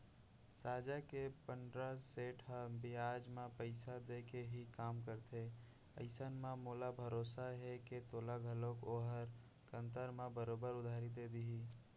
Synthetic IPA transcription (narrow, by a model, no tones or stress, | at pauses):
saːd͡ʒakepəndɾaseːʈɦə̃biaːd͡ʒmẽpəɪsad̪ekeɦikaːmkəɾt̪ʰe | ə̰ɪsənmãmoːlabʱəɾoːsaɦeket̪oːlaɡʱəlokoːɦəɾ | kə̃nt̪əɾmẽbəɾoːbəɾʊd̪ʱaːɾid̪ed̪iɦiː